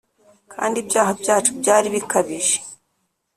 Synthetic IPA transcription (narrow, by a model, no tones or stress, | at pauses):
kʰa̰ːndibjaːɦabjaːt͡ʃubɟaːɾiβikaβiʒe̥